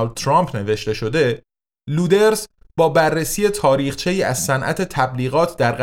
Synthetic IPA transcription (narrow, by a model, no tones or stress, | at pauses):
ld̪̚t̪ʰɾɒmpʰne̞ve̞ʃt̪e̞ʃo̞d̪e̞ | luːd̪eɾs | bɒːbærːesiːje̞t̪ʰɒːɾiːχt͡ʃʰe̞jiːæzsænʔæ̰t̪ʰe̞t̪ʰæbliːɣɒːt̪ʰd̪æɾɢ